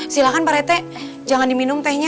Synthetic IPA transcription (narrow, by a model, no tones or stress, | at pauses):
silakanpaɾɛt̪ɛ | d͡ʒaŋandiminʊmt̪ɛhɲa